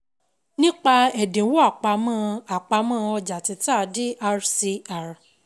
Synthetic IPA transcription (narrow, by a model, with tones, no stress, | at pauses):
nĩ˦k͡pa˧ɛ˨dẽ˨˦wo˦a˦˨k͡pa˨˧mã˦˧a˨k͡pa˧˦mã˦˧ɔ˧d͡ʒa˨ti˨˧ta˦˨˦di˦ʔa˧ɾsi˧a˨ɾ